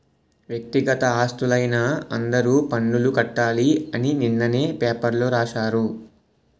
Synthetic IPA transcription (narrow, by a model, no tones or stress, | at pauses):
ʋjɐk̚t̪iɡɐt̪ɐaːst̪ulɐjnɐɐnd̪ɐɾuːpɐɳːulukɐʈːaːliɐnininːɐne̞ːpeːpɐɾloːɾaːʃaːɾu